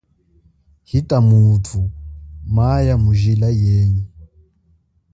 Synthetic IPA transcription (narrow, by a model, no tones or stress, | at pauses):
hitʼamutʰumajamuʒilajeːɲi